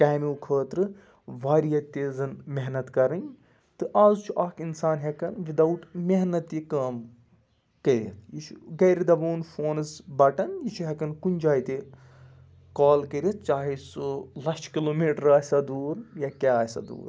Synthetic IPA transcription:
kɐmiukʰəːt̪ɾɨ | ʋaːɾijɐt̪ezɐnmeɦnɐt̪kɐɾɐn | t̪ɨʔaːzt͡ʃʰuʔaːkʰinsaːnɦekɐnʋid̪ɐwʈmeɦnɐt̪jikɐːm | kɐɾʲjɐ̰t̪ʰjit͡ʃʰuɡɐːɾid̪ɐbuːnfoːnɨsbɐʈɐnjit͡ʃʰuɦɐkɐnkunʲd͡ʒaːjt̪e | kaːlkəɾiɐt̪̚t͡ʃaːɦisɨlɐsʈʰkiloːmiːʈɾaːsɐd̪uːɾjakʲaːaːsɐ̰d̪ṵːɾ

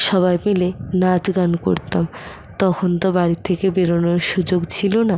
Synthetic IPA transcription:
ʃɔβajmilenad͡ʑɡanko̰ɾt̪am | t̪ɔkʰont̪obaɾit̪ʰːekebeɾonoɾʃud͡ʑoɡt͡ɕʰilona

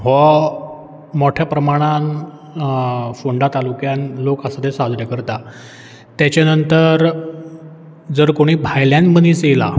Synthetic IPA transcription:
ɦɔ | moʈʰjapɾəmaɽ̃an | foɳɖat̪alukjanlokasad̪esad͡z̪ʱɾjakəɾt̪a | t̪jat͡ɕjanənt̪əɾ | d͡zəɾkoɽ̃iːbʱajljãnməniːt͡sela̰

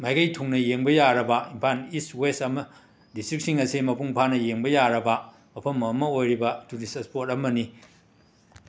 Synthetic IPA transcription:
majɡɐjtʰuŋnɐjeŋbɐjaɾɐbɐimpʰaniswesɐmɐ | distɾik̚siŋɐsimɐpʰuŋpʰanɐjeŋbɐjaɾɐbɐ | mɐpʰɐmɐmːɐojɾibɐtunisespotɐmɐni

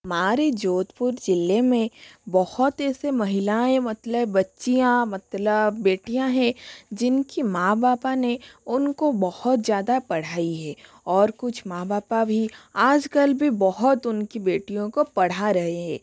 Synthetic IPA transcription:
maːɾed͡ʒoːt̪pʊɾd͡ʒɪlːemẽbɐhʊt̪ɛːsemɐɦɪlaẽmɐt̪ləbːɐtːʃijãmɐt̪ləbːeːʈijãɦɛ̃d͡ʒɪnkimãːbaːpaneʊnkobɐhʊt̪zjaːd̪apɐɽ̤aːiɦɛː | ɔːɾkʊt͡ʃʰmãːbaːpabʱiaːd͡ʒkəlbʱibɐɦʊt̪ʊnkibeːʈijõkopɐɽ̤aɾɐɦeɦɛ̰̃ː

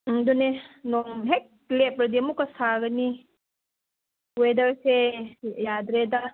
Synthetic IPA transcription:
dunenɔmɦek̚lepɾɐdiɐmukɐsaɡɐni | wedɐɾsejad̪ɾeda

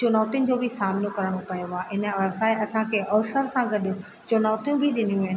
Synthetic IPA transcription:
t͡ɕʊnɔːt̪ijʊnɪ̆d͡ʑoːbʱɪsaːmnokɐɾəɽ̃opɐjoɦaɦɪnə̆ʋɐsaːeɐsãkʰeʔɔːsəɾsãɡɐɗ | t͡ɕʊnɔːt̪ijũbʱiɗɪnijũɦɪn

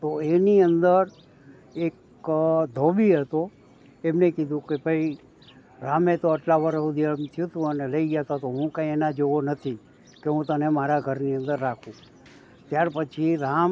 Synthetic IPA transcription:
t̪oeniənd̪əɾ | ek | d̪ʱobiɦət̪o | emnekid̪ʱũkebʱəi | ɾamet̪oəʈlaʋəɾəud̪iəmt̪ʰjũt̪ũəneləid͡ʒat̪at̪oɦũkãĩenad͡ʒoʋonət̪ʰi | keɦũt̪ənemaɾaɡʱəɾniənd̪əɾːakʰũ | t̪jaɾpət͡ʃʰiɾam

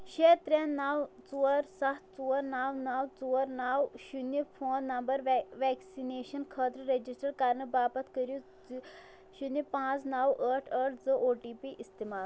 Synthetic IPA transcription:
ʃet̪ɾãnawt͡suəɾsɐtt͡suəɾnawnawt͡suɾnawɕʃunəfʰoːnːɐmbəɾʋʋɛksineːʃɐnkʰəːt̪ɾəɾed͡ʑisʈəɾkaːɾnəbaːpɐt̪ʰkəɾju | ʃunjəpãt͡snawəʈʰəʈʰd͡zəʔoːʈipiʔist̪imaːl

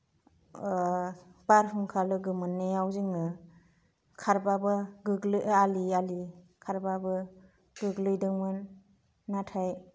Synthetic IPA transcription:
b̥aɾpʰɯŋkʰalɯɡɯmɯnːejawzɯŋɯ | kʰaɾbabɯɡɯɡlɯaliali | kʰaɾbabɯ | ɡ̥ɯɡlɯjdɯŋmɯnː | atʰaj

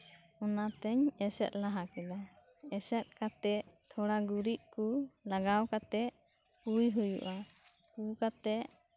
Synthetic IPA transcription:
ɔnat̪ɛɲɛsɛ̰t̪̚ˀlaɦakɛd̪a | ɛsɛt̪̚kat̪ɛt̪ʰɔɽaɡuɾiʔ̚kulaɡawkat̪ɛʔ | kujɦujṵʔa | kukat̪ɛ

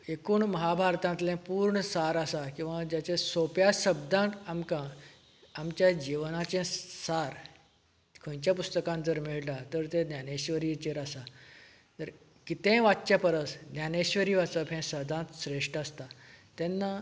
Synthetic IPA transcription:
ekuːɳməɦabʱaɾt̪ãnt̪lɛ̃puːɾɳəsaɾasakĩw̃ʋãd͡ʑat͡ɕẽsopjaɕəbd̪ʱãʈ̪amkãː | mt͡ɕjad͡ʑiʋnat͡ɕẽsaɾ | kʰə̃jt͡ɕjapust̪əkãnd͡zəɾmiɭʈat̪əɾt̪ẽd̪janeɕʋəɾit͡ɕeɾasa | t̪əɾ | kit̪ɛ̃ʋat̪t͡ɕjapəɾəsd̪njaneɕʋəɾiːʋat͡səpʰɛ̃səd̪ʱãt̪ɕɾeʂʈast̪at̪ɛ̃nːa

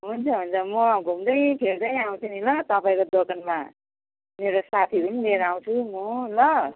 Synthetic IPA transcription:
ɦunt͡sʰʌɦunt͡sʰʌmʌɡʱumd̪ʌjpʰeld̪ʌjaw̃t͡sʰunilʌt̪ʌpaĩkod̪okʰʌnma | meɾosat̪ʰipʌnileɾaw̃t͡sʰumolʌ

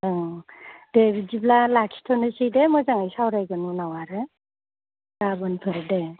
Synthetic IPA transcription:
ɯ | d̥ebidiblalakʰi̥tʰɔnɯsidemɔzaŋajsawɾajɡɯnunawaɾɯ | dabɯnpʰɯɾde

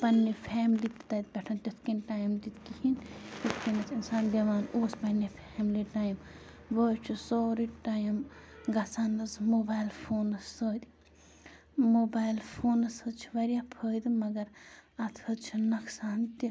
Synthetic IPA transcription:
pɐnːepʰɛːmlit̪t̪ɐt̪̚bʲɛʈʰɐnt̪ʲit̪ʰkinʈaːjmt̪it̪kihint̪it̪ʰkinɐt͡sinsaːnd̪ɐʋaːnoːspɐnːepʰɛːmliʈaːjm | ʋoːt͡ʃʰusoːɾiʈaːjmɡɐsaːnɐzmoːbaːjlpʰoːnɐsːoːd̪i | moːbaːjlpʰoːnɐshəd̪t͡ʃʰi̥ʋɐɾjapʰəːjd̪mɐɡɐɾɐt̪ʰhɐd̪t͡ʃʰinɐksaːnt̪i

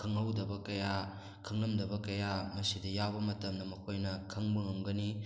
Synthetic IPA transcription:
kʰɐŋɐwdɐbɐkɐja | kʰɐŋnɐmdɐbɐkɐjamɐsidɐjawbɐmɐtɐmnɐmɐkʰojnɐkʰɐŋbɯŋɐmɡɐni

